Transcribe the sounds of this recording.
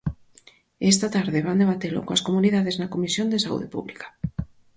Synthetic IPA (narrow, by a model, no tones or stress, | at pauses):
est̪at̪aɾðɪβand̪eβat̪elʊ̰kõɐ̰skomuniðaðeznɐkomisjond̪esaṵðepṵβlikḁ